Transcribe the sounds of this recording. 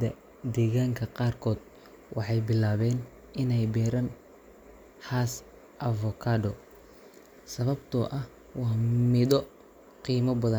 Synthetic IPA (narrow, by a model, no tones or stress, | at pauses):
ɐ | d̪ɛːɣaːŋkʰɐqɑːrkʰɔːd̪ | wʔɑ̰ħɑjbɪlaːβɛːn | ɪnɛjbɛːɾɐn | haːs | ʔɐvɔkʰaːdɔ | sɐβɐbt̪ʰɔ̰ʔɐh | wɑːmɪðɔ | qiːmɐbɐðɐn